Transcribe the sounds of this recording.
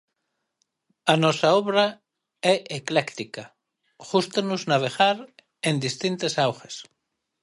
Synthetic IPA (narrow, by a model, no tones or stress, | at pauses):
anɔsaɔβɾa | ɛʔeklɛkt̪ika | ʝust̪enuznaβ̞eɣaɾ | ẽnd̪ist̪int̪esawxes